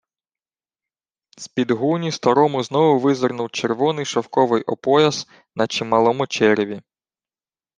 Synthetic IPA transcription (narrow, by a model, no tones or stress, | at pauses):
spʲid̪ɦunʲist̪ɐɾɔmʊznɔʋʊʋɪzɪrnʊwt͡ʃerʋɔnɪjʃɐwkɔʋɪjʔɔpɔjɐz̥ | nɐt͡ʃimɐlˠɔmʊt͡ʃɛɾʲeʋʲi